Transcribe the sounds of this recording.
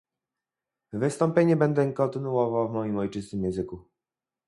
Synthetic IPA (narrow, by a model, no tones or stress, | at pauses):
vɘst̪ɔmpʲjeɲɛbɛnd̪ɛkɔnt̪ɘnuɔvawvmɔjimɔjt͡ʂɘst̪ɘmjɛ̃nzɘku